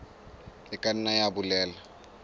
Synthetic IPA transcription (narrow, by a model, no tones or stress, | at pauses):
ɪkʼan̩najabulɛːla